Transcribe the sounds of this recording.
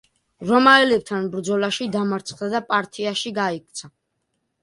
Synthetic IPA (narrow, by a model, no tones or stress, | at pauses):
ɾɔmaɛlɛb̚t̪ʰanbɾd̪zɔlaʃid̪amaɾt̪sʰχd̪ad̪apʼaɾt̪ʰʼiaʃiɡaikʰt̪sʰa